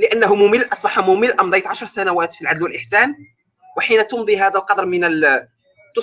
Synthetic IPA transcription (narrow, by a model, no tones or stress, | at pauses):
lɪʔænːæɦʊmʊmɪlːʔɑsˤbɑħamʊməlʔɑmd̪ˤɑjt̪ʕɑʃɾˤsænæwæːt̪filʕad̪lwəlʔɪħsæːn | wɪħinæt̪ʊnd̪ˤiɦæːd̪ælqɑd̪ɾˤmɪnəl | t̪ʊ